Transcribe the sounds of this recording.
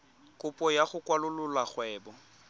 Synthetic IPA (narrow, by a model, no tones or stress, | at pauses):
kʼʊpʼɔjaχʊkʼwalʊlʊlaχwɛːbɔ